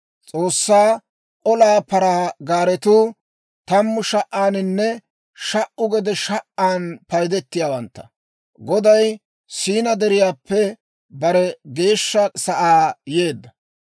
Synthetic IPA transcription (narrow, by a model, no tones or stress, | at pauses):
t͡sʼo̞ːsːaː | ʔɔlaːpɐɾaɡaːɾɛt̪uː | t̪ɐmːʊʃɐʔaːnɪnːɛ | ʃɐʔʊɡɛd̪ɛʃɐʔaːnpɐjd̪ɛt̪ːɪjaːwɐnt̪ːɐ̥ | ɡɔd̪ɐj | siːnɐd̪ɛɾɪjaːpːɛ | bɐɾɛɡe̞ːʃːɐsɐʔaːje̞ːd̪ːɐ